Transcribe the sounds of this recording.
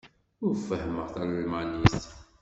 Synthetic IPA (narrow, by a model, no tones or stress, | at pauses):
ʊɾfːəhməʁθælimænist̪